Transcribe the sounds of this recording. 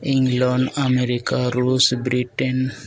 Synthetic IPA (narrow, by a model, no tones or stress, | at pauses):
iŋɡlɔɳɖameɾikaɾusbɾiʈen